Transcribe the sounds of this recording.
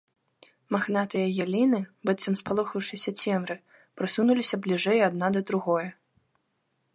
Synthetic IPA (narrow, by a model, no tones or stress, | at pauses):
maxnat̪ɨjɐjalʲinɨbɨt̪sɐmspalˠɔxɐwʂɨsʲɐt͡sʲɛmɾɨ | pɾɨsunulʲisʲɐblʲiʐɛjad̪̚nad̪ɐd̪ɾuɣɔjɐ